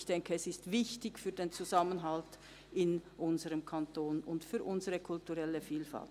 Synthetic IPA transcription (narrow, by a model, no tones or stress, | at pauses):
çd̥ɛŋkəɛsɪstv̥ɪçtɪçfyːɐdeːnt͡suzamənɦalt | ɪnʔʊnzəʁəmkʰantoːnʊntfyːɐʔʊnzəʁəkʰʊltuʁɛləfiːlfa̰lt